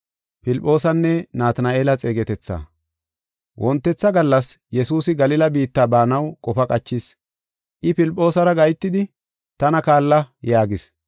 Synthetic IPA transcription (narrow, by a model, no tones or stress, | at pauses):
pɪlpʼːo̞ːsɐnːɛnaːt̪ɐnaeːlɐt͡sʼe̞ːɡɛt̪ɛt͡sːa̰ː | wʔɔnt̪ːɛt͡sːɐɡɐlːɐsjɛsuːsɪɡɐlɪlɐbiːt̪ːaːbaːnɐwkʼɔfɐkʼɐt͡ʃːɪs | ʔɪpɪlpʼːo̞ːsɐɾɐɡɐjt̪ːɪd̪ɪ | t̪ɐnɐkaːlːɐjaːɡɪs